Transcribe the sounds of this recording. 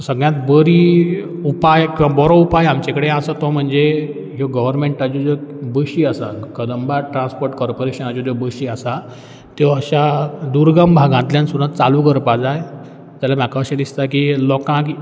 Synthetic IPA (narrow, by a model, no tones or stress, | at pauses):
səɡɭjat̪bəɾiupajkĩw̃ʋabɔɾoupajamt͡ɕekəɽẽasat̪ɔm̤əɳd͡ze | ɦoɡəʋəɾmeɳʈad͡ʑod͡zɔbəɕiːəsa̰kəd̪əmbaʈɾãnspoɾʈkɔɾpoɾeɕənad͡ʑod͡zɔbəɕiəsa | t̪jɔəɕad̪uɾɡambʱaɡãnt̪ljãnsud̪ãt̪t͡salukəɾpad͡zaj | t̪alamakaəɕẽd̪ist̪akilɔkãk